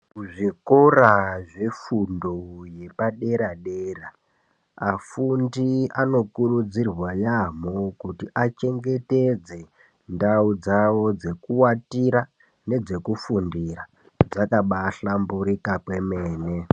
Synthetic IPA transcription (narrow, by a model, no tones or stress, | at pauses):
kuʐikoraʐe̞fundoje̞paɗe̞ɾaɗeːra | afundiano̞kurud͡zirwajamokutiʔat͡ʃe̞ŋɡe̞ted͡ze̞ | ndaud͡zawo̞d͡ze̞kuwatiɾa | ne̞d͡ze̞kufundira | d͡zakaɓaɬambuɾikakwe̞meːne